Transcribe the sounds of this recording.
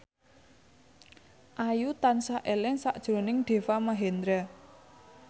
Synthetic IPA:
ʔajut̪ansaʔelɪŋsa̰ʔd̥ʒ̥ɾo̤nɪŋɖ̪̥e̤famaɦend̪ɾɛ

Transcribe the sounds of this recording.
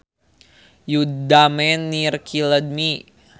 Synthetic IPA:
judamɛnːirkʰiləd̪̚mi

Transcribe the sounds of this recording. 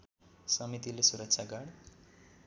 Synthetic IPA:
sʌmit̪ilesuɾʌkt͡ʃʰaɡaɽ

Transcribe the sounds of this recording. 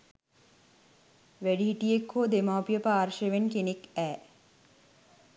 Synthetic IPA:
ʋæɖiɦiʈijekʰːoːd̪emaːpijəpaːrʃeʋenkenekæː

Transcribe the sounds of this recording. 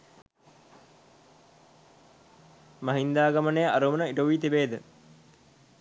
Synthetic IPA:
mɐɦind̪aːɡamənejəʔaɾumənəiʈəʋiːt̪ibeːd̪ə

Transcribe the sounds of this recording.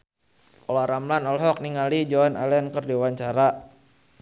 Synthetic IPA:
ʔɔlaɾamlanɔlɦɔk̚niŋalid͡ʒɔana̰lɛnkərdiwaɲt͡ʃaɾa

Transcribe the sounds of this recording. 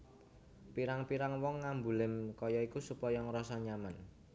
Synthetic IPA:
piɾaŋpiɾaŋwɔŋːambulɪmkɔjɔikusupɔjɔŋɾɔsɔɲaman

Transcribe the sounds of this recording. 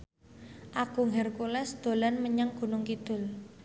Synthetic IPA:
ʔaɡ̥uŋɦɛrkulɛsd̪̥o̤lanməɲaŋɡ̥ṳnʊŋkid̪̥ʊ̤l

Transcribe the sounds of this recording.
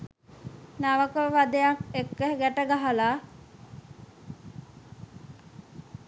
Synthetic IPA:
naʋəkəʋad̪ejakekːəɦɡæʈəɡaɦalaː

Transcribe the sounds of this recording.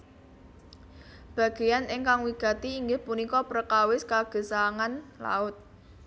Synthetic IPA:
b̥ä̤ɡ̥e̤janɪŋkaŋwiɡ̥a̤t̪iːŋɡɪhpunikɔpɾəkawɪskaɡ̥ə̤saŋanla̰ʊt̪̚

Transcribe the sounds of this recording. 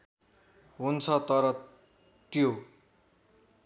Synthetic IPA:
ɦunt͡sʰʌt̪ʌɾʌ | t̪jo

